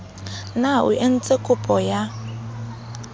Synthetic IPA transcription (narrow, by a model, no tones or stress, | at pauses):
naʊ̰ʔen̩t͡sʼekʼʊpʼɔja